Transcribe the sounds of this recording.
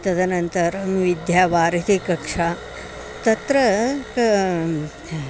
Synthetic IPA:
t̪ɐd̪ʱɐnɐnt̪ɐɾʋid̪jaːʋaːɾɐt̪ikɐkʂaː | t̪ɐt̪ɾɐk

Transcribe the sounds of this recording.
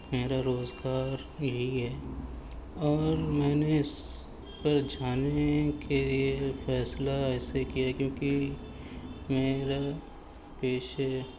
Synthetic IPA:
meːɾaɾoːzɡaːɾ | jɐɦiɦɛː | ɔːɾmɛ̃ːneɪs | pɐɾd͡ʒaːnekʰeliefɛːslaɛːsekijaɦɛkjõːki | meːɾa | peːʃe

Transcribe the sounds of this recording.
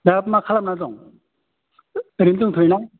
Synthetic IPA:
dapmakʰalam̚nazɔŋ | ɾimtɯŋt̪ʰɯjnaŋ

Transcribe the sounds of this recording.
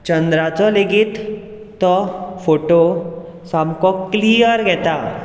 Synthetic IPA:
t͡ɕənd̪ɾat͡sɔleɡit̪ː | ɔfoʈo | samkɔkliəɾɡʱɛt̪a

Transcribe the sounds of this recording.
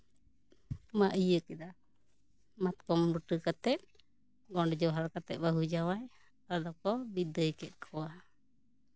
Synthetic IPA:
maʔəjəkɛd̪a | mat̪̚kɔmbəʈəkat̪ɛt̪̚ | ɡɔɖɛd͡ʒɔwɦaɾkat̪ɛt̪̚baɦud͡ʒawaj | ad̪ɔkɔbid̪əjkɛt̪̚ˀkʰɔwa

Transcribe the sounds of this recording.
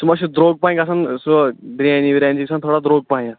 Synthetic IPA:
t̪umaɕid̪ɾoɡ̚paj̃kasansd̪ɾijãniʋiɾãnd͡ʑiksʰãnt̪ʰoɽad̪ɾoɡ̚paĩa

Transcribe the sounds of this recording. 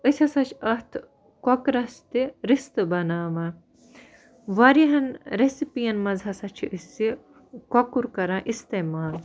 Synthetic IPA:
əsʲɐsɐt͡ʃʰɐht̪ʰ | kokɾɐst̪iɾist̪ɨbɐnaːma | ʋɐɾiɦɐnɾesipijɐnmɐzɦɐsɐt͡ʃʰiʔəsi | kokuɾkɐɾãːʔist̪eːmaːl

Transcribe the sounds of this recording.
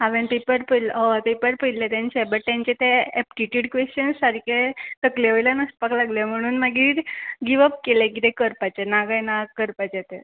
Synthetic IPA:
ɦaʋẽnpepəɾpələʋapepəɾpəilet̪ãnt͡ɕebəʈt̪ãɲt͡ɕet̪eɛpʈiʈjuɽkʋest͡ɕənssaɾiket̪əkleʋəjlanəspaklaɡljem̤əɽ̃uːnmaɡiɾɡiʋəp̚kelekiɾekəɾpat͡ɕenaɡajnakəɾpat͡ɕet̪e

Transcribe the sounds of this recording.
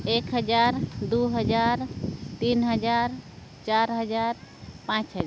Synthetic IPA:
ekɦəd͡ʒaɾd̪uɦəd͡ʒaɾt̪inɦəd͡ʒaɾ | t͡ʃaɾɦəd͡ʒaɾpãt͡ʃɦəd͡ʒ

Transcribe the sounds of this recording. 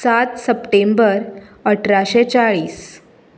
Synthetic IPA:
sat̪səpʈembəɾəʈʰɾaɕet͡ɕaɭiːs

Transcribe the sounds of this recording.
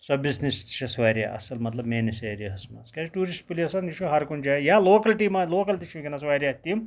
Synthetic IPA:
sɐbisnist̪i̥t͡ʃʰɐsʋaːɾʲja̰ːʔɐ̰sɐlmɐt̪lɐbmeːniseːɾijɐɦɐsma̰skat͡ʃʈuːɾisʈpuliɐsɐniʃuɦɐɾkuɳd͡ʒaːjaːloːkɐlʈiːmaːloːkɐlt̪iʃʰmikʲɐnɐsʋaːɾʲjaːt̪im

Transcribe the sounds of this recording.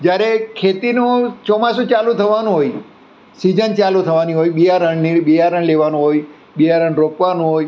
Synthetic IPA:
d͡ʒjaɾekʰet̪inũt͡ʃɔmasũt͡ʃalũt̪ʰəʋanũɦoj | sid͡ʒənt͡ʃalut̪ʰəʋaniɦojɓijaɾəɳnibijaɾəɳleʋanũɦoj | ɓijaɾəɳɾokʋanũɦoj

